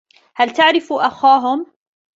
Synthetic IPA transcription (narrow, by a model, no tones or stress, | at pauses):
halt̪aʕɾɪfuʔaxaːɦʊm